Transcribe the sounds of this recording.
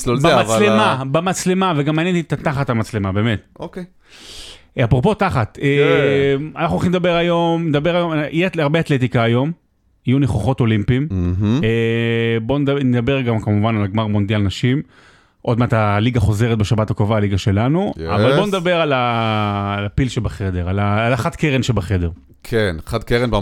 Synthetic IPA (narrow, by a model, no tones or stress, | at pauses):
obmalemabemat͡sle̞maveɡamːaːnjeniet̪at̪aχatamat͡slemabe̞ːmetoke | apʁo̞po̞taχat̪e | anaχnuoχimed̪abeʁajo̞mned̪abe̞ʁajo̞mijetaʁbeatlet̪̬ikaːjo̞m | ijuneχoχo̞to̞limpimebo̞ndned̪abe̞ʁɡamkamuvanalɡmaʁmo̞nd̪jalnaʃim | ʔo̞d̪meat̪aliɡaχo̞ze̞ʁet̚beʃabatakovaːliɡaʃe̞lanua̰valbbo̞ned̪abe̞ʁalaː | lapilʃebaχed̪e̞ʁalaːlaχad̪keʁenʃebaχe̞d̪e̞ʁ | kʰenχad̪̚keʁenba